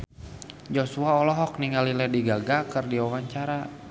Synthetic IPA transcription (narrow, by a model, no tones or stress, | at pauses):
d͡ʒosuaɔlɔɦɔk̚niŋalilɛdiɡaɡakərdiɔwaɲt͡ʃaɾa